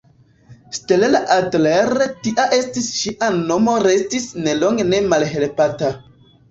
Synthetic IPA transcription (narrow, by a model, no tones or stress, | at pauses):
stelelaʔatleɾetiʔaʔe̞stisʃiʔano̞mo̞ɾe̞stisne̞lo̞ŋɡene̞malɦe̞lpata